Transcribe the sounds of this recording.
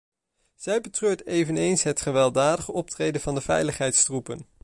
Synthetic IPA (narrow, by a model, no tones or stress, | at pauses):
z̥ɛjbətrøːɹtejvənejnsɦətχəʋɛlˠdaːdəχəɔp̚trejdəvɑndəvɛ̰jləχɦɛjtstrupən